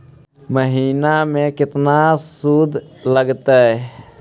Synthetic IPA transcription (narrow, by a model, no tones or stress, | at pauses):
məɦiːnamẽkɪt̪nasuːd̪ʱləɡt̪aɦɛ